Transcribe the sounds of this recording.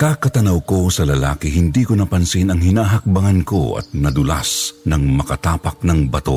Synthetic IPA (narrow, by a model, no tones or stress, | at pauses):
kakɐt̪ɐnɐwko̞sɐlɐla̰ːkɪɦɪnd̪iːkonɐpɐnsinɐŋhɪnaːɦɐk̚bɐŋɐnko̞̰ɐ̰t̪̚nɐd̪ʊla̰snɐŋmɐkɐt̪aːpɐk̚nɐŋbɐt̪o̞̰